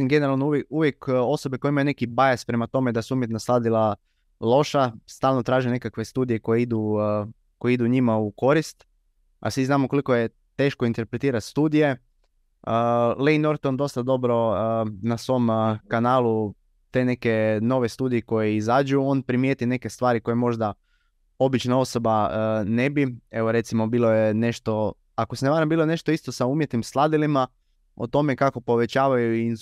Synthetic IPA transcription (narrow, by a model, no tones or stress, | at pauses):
imɡe̞neɾalnoueuʋje̞ko̞so̞bekoeimajune̞kibajaspɾe̞mat̪o̞me̞d̪asuumjek̪naslˠaːd̪ilˠa | lˠo̞ʃast̪aːlˠnot̪ɾaːʒine̞kakʋe̞st̪uːd̪ijeko̞jeid̪u | ko̞jeid̪uɲimauko̞ɾist̪ | a̰sʋiznaːmokolikoje̞ | t̪e̞ːʃko̞int̪e̞ɾpɾet̪iːɾat̪st̪uːd̪ije̞ | əleino̞ɾt̪ond̪o̞st̪ad̪o̞bɾo̞nasʋo̞mkanaːlu | t̪e̞ne̞ke̞no̞ʋe̞st̪uːd̪ijeko̞jeizaːd͡ʑuo̞ːnpɾimjeːt̪ine̞ke̞st̪ʋaːɾiko̞jemo̞ʒd̪a | o̞bit͡ʃnao̞so̞banebieʋo̞ɾe̞t̪simo̞biːlojene̞ʃt̪o̞ | akoseneʋaːɾambiːloene̞ʃt̪oist̪o̞sauːmjet̪nimslˠad̪ilima | o̰t̪o̞mekako̞po̞ʋe̞t͡ɕaːʋajuin